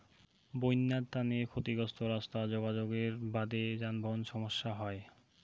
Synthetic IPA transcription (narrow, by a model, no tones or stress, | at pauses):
bojnːad̪t̪anekʰot̪iɡɔst̪oɾast̪ad͡ʑoɡad͡ʑoɡeɾbad̪ed͡ʑanbʱonʃɔmoʃːaɦɔe